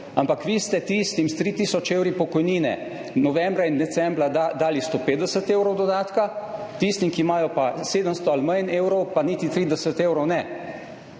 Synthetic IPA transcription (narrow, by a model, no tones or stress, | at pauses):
ampakʋiːst̪ɛt̪iːst̪imst̪ɾiːt̪iːsɔt͡ʃeːwɾipɔkɔjniːnɛ̰ | nɔʋɛmbɾaind̪ɛsɛmbɾaad̪aːlist̪oːpeːd̪ɛsət̪eːwɾɔwd̪ɔd̪aːt̪kat̪iːst̪imkimaːjɔpaseːd̪əmst̪ɔalməjneːwɾɔwpaniːt̪it̪ɾiːd̪ɛsət̪eːwɾɔwnɛ